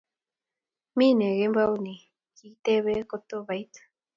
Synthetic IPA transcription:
mi˦ne˨ɣe˦mbani˨ | kit̪e˦βe˦kot̪o˦βajt̪

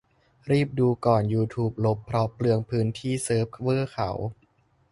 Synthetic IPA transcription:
ɾiː˥˩p̚duː˧kɔː˨˩njuː˧t̪ʰuː˦˥p̚lo˦˥pʰːɾɔ˦˥plɯ˧əŋpʰɯː˦˥nt̪ʰiː˥˩sɤː˦˥p̚kʰwɤː˥˩kʰa̰˩˦w

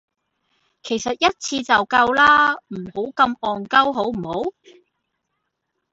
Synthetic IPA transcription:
kʰe˨˩jsɐ˨t̚jɐ˥t̚t͡sʰiː˧t͡sɐ˨wkɐ˧wlaː˥m̩˨˩ho˨˥wkɐ˧mɔː˨nkɐ˥wɦo˨˥wm̩˨˩ho˨˥w

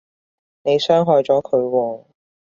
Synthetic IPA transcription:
ne˨˧jsœː˥ŋɦɔː˧jt͡sɔː˨˥kʰɵ˨˧ɥwɔː˧

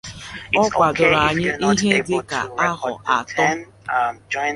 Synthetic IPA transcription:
ɔ˦kʷa˨dʊ˨ɾa˨ɲɪ˦ʔi˦ɦe˦dɪ˦ka̰˨a˦ɦɔ̰˨ʔa̰˨tɔ˦

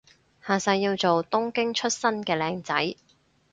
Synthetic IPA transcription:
haː˨sɐ˧jːiː˧wt͡so˨wt̪ʊ˥ŋkɪ˥ŋt͡ʃʰɵ˥t̚sɐ˥nkɛː˧lɛː˧ŋt͡sɐ˨˥j

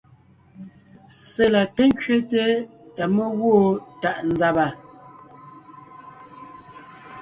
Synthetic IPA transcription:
se˨la˨ke˦ŋ˦kɥe˦te˦ta˨mə˦ɣwoː˦˨ta˨ʔn̩˨za˨ba˨

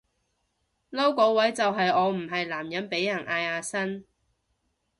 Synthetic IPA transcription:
lɐ˥wkɔː˨˥wɐ˨˥jt͡sɐ˨wɦɐ˨jɔː˨˧m̩˨˩ɦɐ˨jlaː˨˩mjɐ˨˥npe˨˥jːɐ˨˩nʔaː˧jaː˨˧sɐ˥n

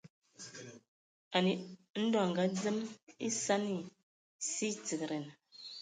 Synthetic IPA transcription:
a˨ni˨n̩˦dɔ˦˨ŋ˨ɡa˨˦d͡zə˦mi˦sa˦ni˦˨ | si˦t͡sə˨kɾɛ˨n˨

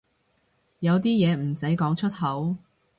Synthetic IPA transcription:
jɐ˨˧wt̪iː˥jɛː˨˧m̩˨˩sɐ˨˥jkɔː˨˥ŋt͡ʃʰɵ˥t̚hɐ˨˥w

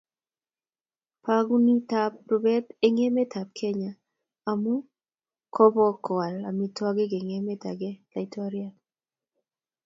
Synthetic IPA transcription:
pa˦ɡu˦ni˦ta˦p̚ɾʊ˨bɛ˦te˦ŋe˦me˦tʰa˨p̚kʰɛ˦ɲa˨ | a˨mu˦ | kɔ˦bɔ˦kwa˨la˨mi˨twa˦ɡe˦ɡe˨ŋe˦me˦ta̰˨ɡe˦la˨i˨tʰɔ˦ɾja˦

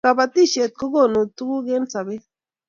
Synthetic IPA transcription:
a˨ba˨t̪i˦˨ʃe˨t̪̚ko˦ɡo˦˨no˨t̪u˦ɡu˦ɡe˦nsa˨be˦

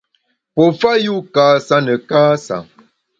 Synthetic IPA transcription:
pɔ˨fa˦ju˦kaː˨sa˦nə˨kaː˦sa̰˨ŋ

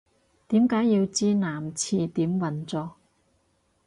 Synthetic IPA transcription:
t̪iː˨˥mkaː˨˥jːiː˧wt͡siː˥naː˨˩mt͡sʰiː˧t̪iː˨˥mwɐ˨˩nt͡sɔː˧

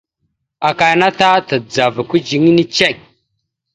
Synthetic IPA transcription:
a˨ka˨jna˦ta˦ta˨d͡za˨va˨ku˦d͡ʒi˨ŋ˦ni˦t͡ʃe˦˨k̚

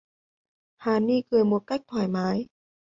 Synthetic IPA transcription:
haː˨˦niː˧˩˨kɤː˧˩jmu˧ka˧˥˩k̚t̪ʰɔ˨˩jmaː˨˦˥j

